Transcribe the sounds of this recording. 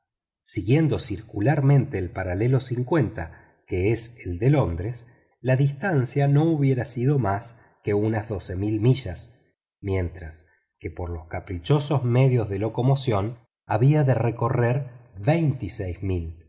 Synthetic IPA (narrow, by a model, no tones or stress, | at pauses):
siɣje̞nd̪o̞siɾkulaɾmẽ̞nt̪e̞ːlpaɾale̞lo̞siŋkwe̞nt̪a | keeseld̪e̞lo̞nd̪ɾes | laðist̪ansjano̞uβje̞ɾasiðo̞mas | keunazðo̞se̞milmiʒas | mje̞nt̪ɾas | kepoɾlo̞skapɾit͡ʃo̞so̞zme̞ðjo̞zðe̞lo̞ko̞mo̞sjo̞n | a̰βiaðereko̞reɾβejnt̪isejzmil